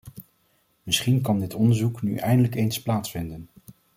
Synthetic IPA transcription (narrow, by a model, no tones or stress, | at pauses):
mɪsχinkɑndɪtɔndəɹzukny̰ʔɛjndələkejnsplaːtsfɪndən